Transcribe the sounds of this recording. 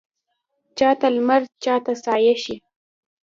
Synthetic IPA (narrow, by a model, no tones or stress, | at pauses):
t͡ʃɑt̪almaɾ̚t͡ʃɑt̪asɑjaʃi